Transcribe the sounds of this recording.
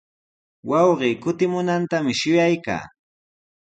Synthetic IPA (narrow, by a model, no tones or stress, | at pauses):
wɑwɢiːkʊt̪ɪmʊnant̪amɪʃʊjajka̰ː